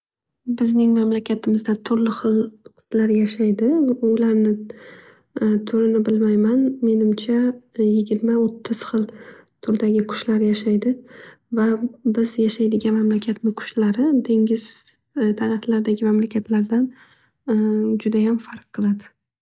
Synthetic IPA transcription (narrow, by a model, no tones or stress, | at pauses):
bɪznɪŋmamlakʲʰat̪ʰɪmɪzd̪at̪ʰʊɾlɪχɨlˠqʰʊ̥t̪ʰlaɾjaʃajd̪ɪʊlaɾnɪ | t̪ʰʊɾɪnɪbɪlmajmanme̞nɪmt͡ʃʰajɪɡʲɪɾmaot̪ʰːɪz̥χɨlˠt̪ʰʊɾd̪aɡʲɪkʰʊ̥ʃlaɾjaʃajd̪ɪ | vabɪzjaʃajd̪ɪɡʲanmamlakʲʰat̪nɪkʰʊ̥ʃlaɾɪd̪ʰe̞ŋʲɪz̥ | t̪ʰaɾaflaɾɪd̪aɡʲɪmamlakʲʰat̪ʰlaɾd̪an | d͡ʒʊd̪ajamfaɾq̚ʰːɨlˠad̪ɪ̥